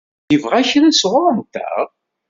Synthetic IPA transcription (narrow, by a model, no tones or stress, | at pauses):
jəvʁæçɾæsʁʊɾˤmt̪ːæ̰ʁ